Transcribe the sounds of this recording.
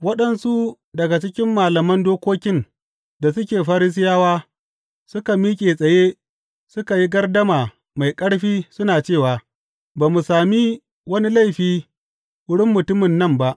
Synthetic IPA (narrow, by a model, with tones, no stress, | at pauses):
wɐ˦ɗɐ˦˨nsu˦ | dɐ˨ɡa˨t͡ʃɪ˦kʲɪ˦mːaː˨lɐ˨mɐ˦ndoː˦kʷoː˦kʲɪ˦n | da˨sʊ˦kʲeː˨ɸa˦ɾi˦s̬ɪ˦jaː˦waː˦ | sʊ˦ka˨miː˦kʲʼeː˨sʼɐ˨je˦ | sʊ˦ka˨ji˦ɡɐ˦rdɐ˦maː˨ | ma˨jkʼɐ˦ɽɸiː˦sʊ˦naː˨t͡ʃeː˦˨waː˨ | baː˨mu˨saː˨mi˦ | wɐ˦ni˦la˦˨jɸiː˦ | wʊ˦ɽɪ˦mːʊ˨tʊ˦mɪ˨nːɐ˦˨mba˦ʔ